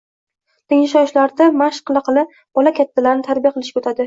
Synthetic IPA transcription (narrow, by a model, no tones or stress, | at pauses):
t̪ɪŋɪʃɒʃlaɾd̪amaʃqɨlˠaqʰɨlˠɪp̚ | b̥ɒlakʲat̪ːalaɾɪnɪt̪ʰaɾbijaqʰɨlˠɪʃkʲaot̪ʰad̪ɪ